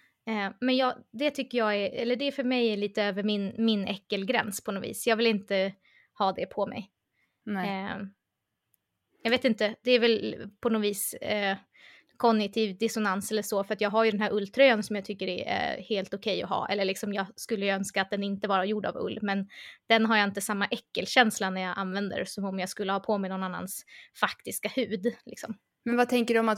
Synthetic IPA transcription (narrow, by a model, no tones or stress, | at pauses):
mɛnjɑːɡd̪ɛt̪ʰʏkːəjɑːæɛlːəɖɛfœɾmɛjæɭiːt̪əøːvəɾmɪnmɪnɛkːəlɡɾɛ̰nspʰɔnɔvḭːsjɑːɡvɪlɪnt̪ə | hɑːd̪ɛpʰɔmɛ̰j | jɑɡveːt̪ɪnt̪əd̪̥ɛæɾvɛlpʰɔnɔːviːs | kʰɔnːɪt̪ʰiːvd̪ɪsʊnansɛlːəʂɔfœɾat̪jɑːɡɦaɾjɵd̪ɛnɦæːɾʔɵlːt̪ʰɾœjansɔmjaɡt̪ʰʏkːəɾææ̰heːlt̪ʊkʰɛjːɔ̰ɦɑ̰ːʔɛ̰lːəɭɪksɔmjɑːɡskɵlːəjɵœnskat̪̚d̪ɛnɪnt̪əvɑːɾajuɖa̰vɵ̰lːmɛnd̪̥ɛnɦaɾjaɪnt̪əsamːaʔɛkːəlɕɛnslanæɾjɑːɡʔanvɛnd̪ə̰ɾsɔmɔmjaɡskɵlːəhɑːpʰoːmɛnɔnanːa̰nsfakt̪ɪskahʉ̟ːd̪lɪksɔm | mɛnvat̪ʰɛŋkəɖɵɔmat̪